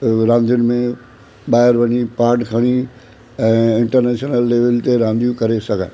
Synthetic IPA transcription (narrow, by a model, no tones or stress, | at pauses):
ɾãːnd̪ʱijʊnɪ̆mẽ | ɓaːɪɾʋɐɲipaːɾʈkʰɐɽ̃i | ɛ̃ːɪ̃ɳʈəɾneːʃnəlːeːʋɪlt̪eɾãːnd̪ʱijũkɐɾesɐɡʱã̰